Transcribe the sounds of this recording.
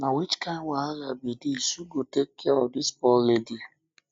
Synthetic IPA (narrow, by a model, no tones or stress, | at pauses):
nawit͡ʃkãɪ̃nwaalabidisuɡotekːeɔdispɔlledi